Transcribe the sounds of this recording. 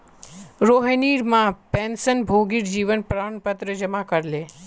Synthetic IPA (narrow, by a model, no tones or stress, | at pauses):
ɾoɦəniːɾmãpẽːnsənbʱoɡiɾd͡ʒiːʋənpɾaːɳpət̪ɾəd͡ʒəmakəɾle